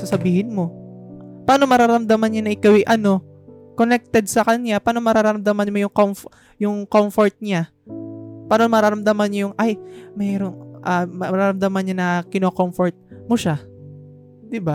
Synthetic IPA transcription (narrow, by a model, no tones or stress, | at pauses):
asɐbiːhɪnmo̞ | paːnomɐɾaːɾɐmd̪amanɲanɐʔɪkawɐjʔɐno̞ | konɛk̚t̪ɛd̪̚sɐkɐɲɲapaːno̞mɐɾaːɾaɾɐmd̪amanmojʊŋkomf | jʊŋkomfoɹt̪̚ɲa | paːnomɐɾaːɾɐmd̪ɐmanɲajʊŋʔajmɛːɾo̞nʔɐmɐɾaːɾɐmd̪ɐmanɲanɐkɪnoːkomfoɹt̪̚moʃa | d̪ɪba